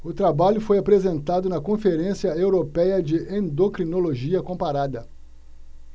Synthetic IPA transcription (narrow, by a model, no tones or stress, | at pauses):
ʊt̪ɾabaʎʊfojapɾezẽnt̪ad̪ʊnɐkõfeɾẽsiɐewɾopɛjɐd͡ʒɪʔẽnd̪okɾinoloʒiɐkõpaɾad̪ɐ